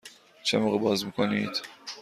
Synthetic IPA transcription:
t͡ʃʰemoɣɛbɒːzmikʰoniːd̪̥

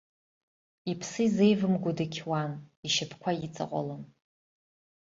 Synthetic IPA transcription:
ipʰsɨize̞jvɨmɡʷʊdakʲʰwaniʃɪpʰkʷʰajit͡sʼa̰qʷʼa̰lɨn

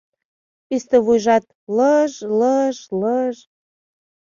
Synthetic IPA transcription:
ist̪ə̆βujʒɑt̪̚ | ləʒləʒləʒ

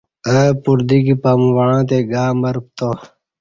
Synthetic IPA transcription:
əpuɾd̪ikipamwaãːt̪eɡaːmɐɾp̚t̪o

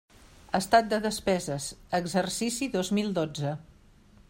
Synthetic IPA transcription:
əst̪at̪̚d̪əðəspɛzəsəɡzərsisiðozmilˠd̪od͡zə

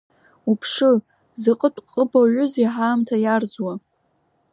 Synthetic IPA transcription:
upʰʂɨ | zɨqʼətʷʼqʼəbaʕʷʊziħaːmtʰajard͡zwa

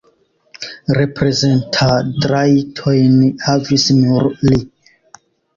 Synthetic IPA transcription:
ɾe̞pɾe̞ze̞ntʰadɾajtʰojnhavisnuɾli

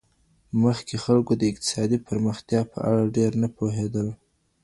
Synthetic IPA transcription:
məxkexalkod̪əɪq̚t̪ɪ̥sɑd̪ipəɾməxt̪jɑpə̰ʔa̰ɽaɖeɾnapoɦed̪əl

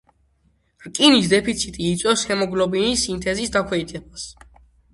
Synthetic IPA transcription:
ɾkʼinisd̪ɛpʰit̪sʰit̪ʼiːt̪sʼɛshɛmɔɡlɔbinisint̪ʰɛzisd̪akʰwɛid̪t̪ɛbas

